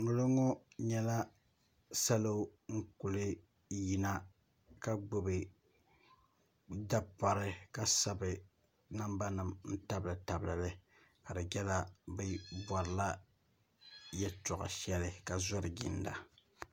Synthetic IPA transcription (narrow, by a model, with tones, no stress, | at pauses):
nu˨lɨ˦ŋɔ˦ | ɲɛ˦la˦ | sa˦lo˦ŋ̩˦ku˨lɨ˦ | ji˨na˦ | ka˦ɡ͡bo˨bɨ˨ | da˦pa˨ɾɨ˦ka˦sa˨bɨ˨ | na˦mba˦nɨ˨mn̩˦ta˦blɨ˨ta˨blɨ˨lɨ˦ | ka˨ɾɨ˨ɡʲɛ˦la˦bɨ˦ba˨ɾɨ˨la˦ | jɛ˦tɔ˨ɣa̰˨ʃɛ˦lɪ˦ka˨zɔ˦ɾɨ˨ɡɪ̰˨nda̰˨